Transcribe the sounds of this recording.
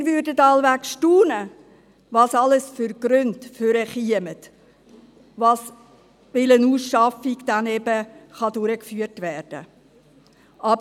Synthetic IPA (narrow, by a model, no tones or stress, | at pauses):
ɾvʏɾdətɑlʋækʃtuːnə | vɑːsɑləsfʏɾɡ̥ɾøntføɾəχiəmət | vɑːs | ʋɪlənuːsʃɑfiɡ̥d̥ænɛbəχɑdʊɾəkfyːərtʋɛːrd̥ə̰ | ʔɑbə